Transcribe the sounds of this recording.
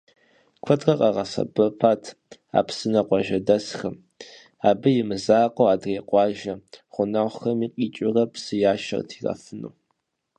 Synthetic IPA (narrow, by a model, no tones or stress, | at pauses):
kʷʰɔtʼrɐqʼɑʁɐsɐ̰bɐpʰaːtʰa̰ːpsɨnɐqʷʼɑʒɐdɐsxɐm | aːbɨjɪmɨzaːqʼowaːdreːqʷʼɑːʒɐχʷʊnaːʁʷxɐmiːqʼiːt͡ʃʼɪrɐpʰsɨjaːʃɐ̰rtʰirɐ̰fɨnṵː